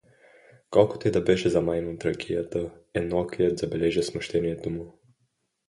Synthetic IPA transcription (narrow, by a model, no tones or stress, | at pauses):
kɔlkɔ̥t̪ɛd̪abɛʒɛzamajnɔt̪ɾakijat̪əɛnɔkiɛd̪zabɛlɛʒɛsmɔʃt̪ɛniɛd̪umu